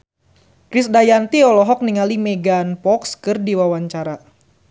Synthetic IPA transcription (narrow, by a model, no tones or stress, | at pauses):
kɾɪsdajant̪iɔlɔɦɔk̚niŋalimeɡanpɔkskɨrdiwawaɲt͡ʃaɾa